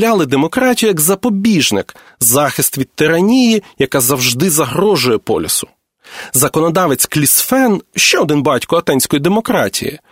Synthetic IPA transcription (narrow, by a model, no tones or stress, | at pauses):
lʲalˠɪd̪emɔkɾɑtʲijʊjɐɡzɐpɔbʲiʒnɪk | zɑxɪst̪ʋʲid̪̚t̪ɪɾɐnʲijijɐkɑzɐwʒd̪ɪzɐɦɾɔʒʊjɛpɔ̰lʲɪsʊ̥ | zɐkɔnɔd̪ɑʋet͡sʲklʲisfɛnʃt͡ʃɛɔd̪ɪnbɑtʲkɔɐt̪ɛnʲsʲkɔjid̪emɔkɾɑ̰tʲḭjḭ